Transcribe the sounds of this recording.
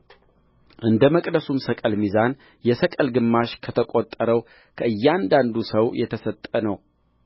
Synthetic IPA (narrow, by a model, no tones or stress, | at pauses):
ʔɨnd̪əməkʼd̪əsumsəkʼəlmizan | jɛsəkʼəlɡɨmːaʃkʰət̪ʰəkʼot̪ʼːəɾəw | kʰəʔɨjːand̪and̪usəwjɛt̪ʰəsət̪ʼːənəw